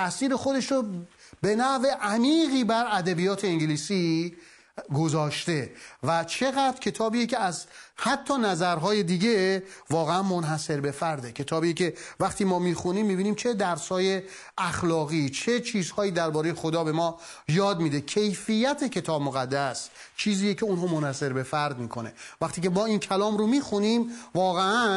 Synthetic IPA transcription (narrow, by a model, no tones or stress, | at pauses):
ʔæsiːɾe̞xo̞d̪e̞ʃɾobe̞næʔve̞ʔæmiːɣiːbæɾæd̪æbijɒːt̪ʰe̞eŋɟeliːsi | ɡo̞zɒːʃt̪e̞væt͡ʃʰe̞ɣæd̪ɾcʰe̞t̪ʰɒːbiːjece̞æzhæt̪ʰːɒːnæzæɾɦɒːje̞d̪iːɟe̞vɒːɣeænmonɦæse̞ɾbe̞fæɾd̪e̞cʰe̞t̪ʰɒːbijecʰe̞væχt̪ʰiːmɒːmiːxuniːmːiːbiːniːmt͡ʃʰe̞d̪æɾsɒːje̞ | æxlɒːɣiːt͡ʃʰet͡ʃʰiːzhɒːiːd̪æɾbɒːɾeje̞xod̪ɒːbe̞mɒː | jɒːd̪miːd̪e̞cʰejfijːæt̪ʰe̞cʰe̞t̪ʰɒːbmoɣæd̪ːæs | t͡ʃʰiːziːjecʰe̞unɦɒːmonhæse̞ɾbe̞fæɾd̪miːkʰo̞ne̞̰væxt̪ʰiːcʰe̞mɒːiːncʰælɒːmɾomiːxunimvɒːɣeæ